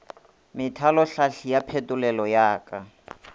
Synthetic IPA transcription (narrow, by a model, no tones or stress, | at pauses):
mɪtʰalɔɬaɬijapʰɛtʼulɛlɔjaːka